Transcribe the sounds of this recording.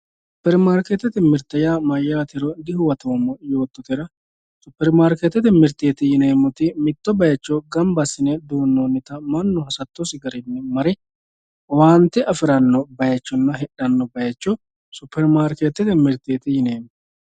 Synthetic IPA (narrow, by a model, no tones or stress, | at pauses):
sʊpːɛɾmaːɾkeːt̪ːɛt̪ɛmɪɾt̪ɐjaːmɐjːaːt̪ɪɾɔd̪ɪhʊwɐt̪oːmɔjo̞ːt̪ːɔt̪ɛɾɐ | sʊpːɛɾmaːɾkeːt̪ːɛt̪ɛmɪɾt̪eːt̪ɪjɪneːmːʊt̪ɪmɪt̪ːɔbɐjɐt͡ʃːɔɡɐmbɐsɪnɛd̪uːnːoːnːɪt̪ɐmɐnːʊhɐsɐt̪ːɔsɪɡɐɾɪnːɛmɐɾɛ | waːnt̪ːɪʔɐfɪɾɐnːɔbɐjɐt͡ʃːɔnːɐɦɛᶑɐnːɔbɐjɐt͡ʃːɔ | sʊpːɛɾmaːɾkeːt̪ːɛt̪ɛmɪɾt̪eːt̪ɪjɪneːmːɔ